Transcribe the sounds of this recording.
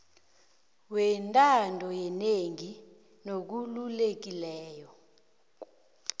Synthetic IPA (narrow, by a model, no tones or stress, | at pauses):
wɛntʼandʱɔjɛneŋi | nok̬ululek̬ilɛːjɔ